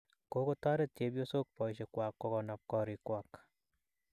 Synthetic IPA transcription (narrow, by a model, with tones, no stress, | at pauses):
ko˦ko˦ta˦ɾe˦tt͡ʃe˦pjo˦so˦k̚pɔ˨jʃekwa˨kːo˧kɔ˨nap̚kɔɾikwak